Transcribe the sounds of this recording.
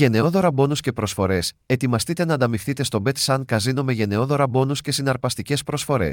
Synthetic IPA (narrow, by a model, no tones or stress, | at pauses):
ʝe̞ne̞o̞ðo̞ɾɐbo̞nusce̞pɾo̞sfo̞ɾe̞se̞t̪imɐst̪it̪e̞nɐːnd̪ɐmifθit̪e̞st̪o̞be̞t̪sɐnkɐzino̞me̞ʝe̞ne̞o̞ðo̞ɾɐbo̞nusce̞sinɐɾpɐst̪ice̞spɾo̞sfo̞ɾe̞̰s